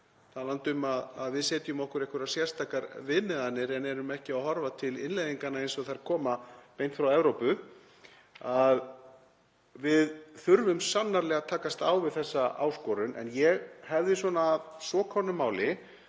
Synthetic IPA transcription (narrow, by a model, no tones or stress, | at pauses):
θalant̪ʏmaðaðvɪðsɛːt̪jʏmɔhkʏɾehkʏɾasjɛr̥st̪ʰakaɾvɪðmɛðanːɪɾɛnɛɾʏmɛhcɪawhɔɾvat̪ʰɪlɪnlejðiŋkanaejnsɔθaɾ̥kʰɔːmapejnt̪fɾawɛvɾowpʏ | að | vɪðθʏɾvʏmsanːaɾlɛːɣat̪ʰaːkast̪awvɪðθɛsːaa̰ːwskɔɾʏnʔɛ̰njɛɣhɛvðɪs̬wɔnaːðsɔːkʰɔnʏmaːwlɪ